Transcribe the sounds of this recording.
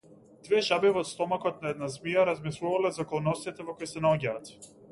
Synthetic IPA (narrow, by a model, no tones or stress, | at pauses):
d̪̥vɛʒabivɔt̪st̪ɔmakɔt̪̚naɛd̪nazmijaɾazmislˠuvalɛzakɔlˠnɔst̪it̪ɛvɔkɔjsɛnaɔɟaːt̪